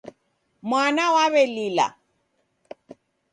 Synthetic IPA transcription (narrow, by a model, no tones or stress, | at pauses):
mwanawaβɛlila̰